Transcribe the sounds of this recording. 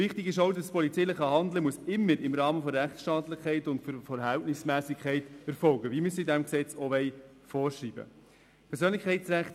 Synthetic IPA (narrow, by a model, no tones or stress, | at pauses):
ʋɪχtɪɡɪʃowdəspʰɔlit͡sɛɪləχɑhɑndləmuəsɪmːəɾɪmɾɑːməfɔɾæχt͡ssʃtɑːtlɪχkʰɛɪtʊntfɾfɛɾɦæltnɪsmæːsɪkʰɛɪtɛɾfɔlɡəvimysidæmksɛt͡sɔʋɛj | fɔːɾʃriːbə̰ | pʰɛɾsøːnlɪkʰɛɪtsɾæχt